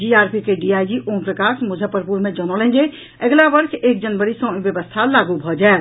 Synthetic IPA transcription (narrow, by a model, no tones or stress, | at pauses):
d͡ʒiaːɾpʰikeɖiajd͡ʒiʔompɾəkasmud͡ʒʱəpəɾpuɾmẽd͡ʒənɔlɛ̃nd͡ʒe | əɡlaʋəɾseːk̚d͡ʒənʋəɽisɔ̃bjəʋəst̪ʰalaɡubʱɔd͡ʒaɛt̪